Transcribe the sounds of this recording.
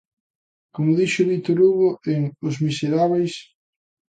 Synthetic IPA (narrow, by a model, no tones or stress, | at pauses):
komʊðiʃʊβit̪oɾuɣoeŋʊzmiseɾaβejs